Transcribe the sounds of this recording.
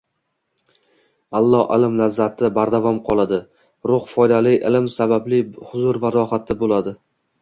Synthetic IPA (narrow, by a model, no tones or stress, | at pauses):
alˠːɒɪ̰lɪmlazːat̪ʰɪbaɾd̪avɒmqʰɒlˠad̪ɪ | ɾʊχfɒjd̪alɪʔɪlɪmsabablɪhʊzʊɾvaɾɒhat̪ʰːɪbolad̪ɪ